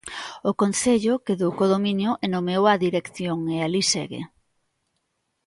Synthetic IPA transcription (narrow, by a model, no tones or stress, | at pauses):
ʊkon̟θeʎʊkeðokoðominjʊʔenomewaðiɾekθjoŋealisḛɣḛ